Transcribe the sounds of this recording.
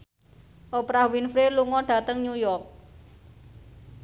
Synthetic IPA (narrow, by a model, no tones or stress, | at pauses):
ʔopɾahwinfɾeluŋɔɖ̥ä̤t̪əŋɲujɔrk̚